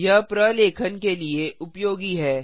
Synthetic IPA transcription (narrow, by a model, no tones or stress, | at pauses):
japɾaleːkʰənkelieʔʊpjoːɡiɦɛː